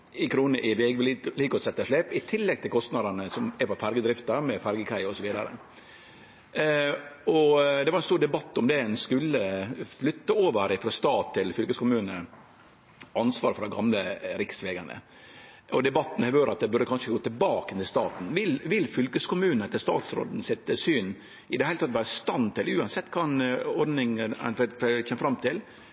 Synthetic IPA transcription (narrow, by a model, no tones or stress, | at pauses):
ɪkʰɾuːnəʔɪʋɛɡʋliːkɔsɛt̪ːəʂɭeːpɪt̪ʰɪlːɛɡ̚t̪ʰɪlkʰɔst̪nɑd̪əɳəsɔmɛɾpɔfæɾɡəd̪ɾɪft̪əɾmɛfæɾɡəkʰæɪɔsɔʋiːd̪ɑ̰ɾə̰ | ɔd̪ɛʋɑɾɛnst̪uːɾɖ̪ɛbɑt̪ːɔmd̪ɛɛnskʉlːəflʏt̪ːəoːʋəɾɪfɾɑːst̪ɑːt̪ʰːɪlfʏlkəskʊmʉːnə | ʔɑnsʋɑːɾfɔɾd̪ɛɡɑ̰mləɾɪksʋeːɡə̰ɳə̰ | ʔɔ̰d̪ɛbɑt̪ːn̩hɛʋøːɾɑt̪̚d̪ɛbʉɾd̪əkʰɑnʂəɡoːt̪ɪlbɑːkənʰɪlst̪ɑːt̪n̩ʋɪlʋɪlːfʏlkəskʊmʉːnnət̪ʰɪlst̪ɑ̰ːt̪sɾo̰ːd̪n̩sɪt̪ːsyːn | ɪd̪ɛhæɪlət̪ɑt̪ːʋæːɾəst̪ɑnt̪ɪlʉːɑnsɛt̪ːkʰɑːɛnɔɾɖ̪nɪŋəɛ̰nfçɛməfɾɑmt̪ʰɪl